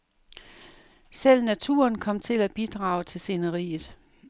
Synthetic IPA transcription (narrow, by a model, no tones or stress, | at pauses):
sel̰næt͡sʰṵɐnkʰɒ̽m̰t͡sʰe̝læb̥id̥ʁɑ̈ːʊt͡sʰe̝lse̝nəʁḭːð̩ˠ